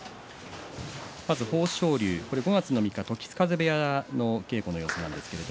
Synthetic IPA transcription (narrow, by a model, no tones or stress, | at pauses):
mazɨho̞̥ːɕo̞ːɾʲɨːko̞ɾe̞ɡo̞ɡat͡sɨno̞mʲikːat̪o̞kʲi̥t͡sɨ̥kazebejano̞ke̞ːko̞no̞jo̞ːsonã̰nd̪e̞sɨ̥ke̞ɾe̞d̪o